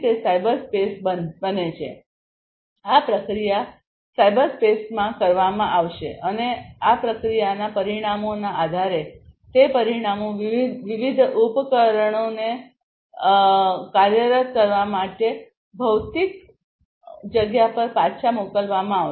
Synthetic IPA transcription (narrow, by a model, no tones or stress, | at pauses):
t̪esajbəɾspesbəbənet͡ʃʰḛ | apɾəkɾija | sajbəɾspesmãkəɾʋamãʔaʋʃḛʔəneapɾəkɾijanapəɾiɽ̃amonaʔad̪ʱaɾet̪epəɾiɽ̃amõʋiʋid̪ʋiʋid̪ʱupkəɾəɳone | kaɾjəɾət̪̚kəɾʋamaʈe | bʱəwt̪ik | d͡ʒəɡjapəɾpaʃʰamokəlʋamãa